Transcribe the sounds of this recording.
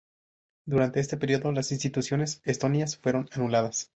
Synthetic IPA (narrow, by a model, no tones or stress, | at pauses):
d̪uɾant̪eest̪e̞peɾio̞ðo̞lasinst̪it̪usjone̞sest̪o̞niasfwe̞ɾo̞nanulaðas